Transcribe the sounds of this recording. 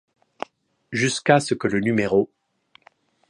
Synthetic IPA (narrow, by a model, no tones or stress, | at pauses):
ʒyskasəkələnymeʁo